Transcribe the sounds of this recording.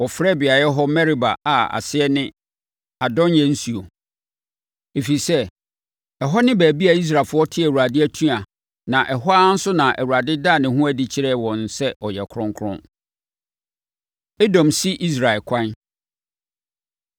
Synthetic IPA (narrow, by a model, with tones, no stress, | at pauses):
wɔ˨fɾɛ˦˨bɪ˨a˨jɛ˦ɦɔ˦mɛ˦ɾi˦ba˨a˨a̰˨sɪ˦ɛ˦nɪ̃˦ | a˨dɔ̃˦njɛ̃˦n̩˦si˨o˨ | e˨fi˨sɛ˦ | ɛ˨ɦɔ˦nɪ̃˦bæː˨bi˦a˨i˦s̬ɾa˨fʊ˦ɔ˦tʰɪ˦æ˨wu˨ɾa˨dɪ˦æ˦tʰũ˦a˨ | nã˨ʔɛ˨ɦɔ˦a˦n̩˦sʊ˦nã˨ʔæ̰˨wu˨ɾa˨dɪ˦daː˦˨nɪ̃˨ɦũ˦æ˦di˦t͡ɕʰɪ˦ɾɛ˦wɔ̃˨n̩˨sɛ˦ʔɔ˨jɛ˨kʰɾʊ̃˦ŋkʰɾʊ̰̃˦n | e˦dɔ̃˨msi˦ʔi˦s̬ɾa˨ɛ˨lkʷʰã˦n